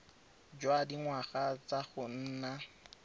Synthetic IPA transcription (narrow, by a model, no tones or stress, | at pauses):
d͡ʒwadiŋwaχat͡saχʊn̩ːna